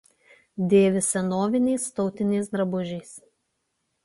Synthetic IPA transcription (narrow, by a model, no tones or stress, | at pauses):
d̪ʲeːʋʲɪsʲɛnoːʋʲɪnʲɛɪst̪ɒʊt̪ʲɪnʲɛɪs̬d̪ɾɐbʊʒʲɛɪs